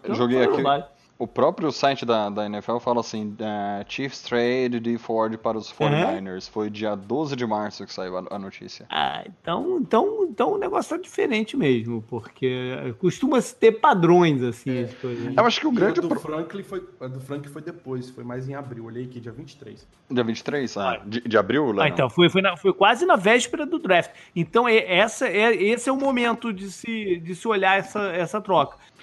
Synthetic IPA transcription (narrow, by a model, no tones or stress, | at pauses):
ewʒoɡejakibaʎ | ʊpɾɔpɾjʊsajt͡ʃɪd̪ɐd̪ɐẽnɛfɛwfalɐasĩɛt͡ʃifst̪ɾeddɪfɔɾd͡ʒɪpaɾɐʊsfɔɾ̃ajneɾsfojd͡ʒiɐd̪ozɪd͡ʒɪmaɾsʊkɪ̥saiwɐ̰ɐ̰not͡ʃḭsiɐa̰ḛ̃t̪ɐ̃w̃ẽnt̪ɐ̃w̃ẽt̪ɐ̃w̃ʊneɡɔsjʊt̪ad͡ʒifeɾẽt͡ʃɪmeʒmʊpoɾkʰeɛ̰kuʃt̪ũmɐsɪ̥t̪epad̪ɾõj̃zasĩed͡ʒɪt̪oɐewaʃʊ̥kɪʊɡɾɐ̃d͡ʒɪd̪fɾɐ̃klifojɛd̪ʊfɾɐ̃ŋklɪfojd̪epojsfojmajzẽj̃abɾiwoʎejakɪd͡ʒiɐvĩt͡ʃɪ̥t̪ɾejs | d͡ʒiɐvĩnt͡ʃɪ̥t̪ɾejsaa̰d͡ʒɪd͡ʒɪabɾiwlaẽt̪ɐ̃w̃fojfojnɐfojkwazɪnɐvɛʃpeɾɐd̪ʊd̪ɾɛft͡ʃ | ẽt̪ɐ̃w̃ɛɛsɐɛesɪɛʊmomẽnt̪ʊd͡ʒɪsɪd͡ʒɪsɪoʎaɛsɐɛsɐt̪ɾɔkɐ̥